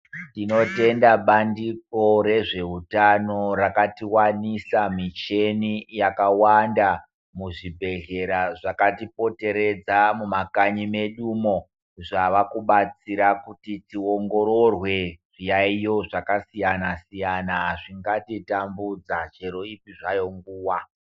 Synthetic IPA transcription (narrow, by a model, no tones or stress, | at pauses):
tinote̞ndaɓandiko̞ɾe̞ʐe̞ɦutano̞rakatiwanisamit͡ʃenijakawanda | muʐibʱe̞ɮe̞ɾaʐakatipo̞te̞ɾe̞d͡zamumakaɲimeɗumo̞ | ʐaʋakuɓat͡siɾakutitio̞ŋɡo̞ɾo̞rwe̞ʐ̥ijaijo̞ʐakasijanasijanaʐiŋɡatitambud͡zat͡ʃe̞ɾo̞ipiʐajo̞ŋɡuːwa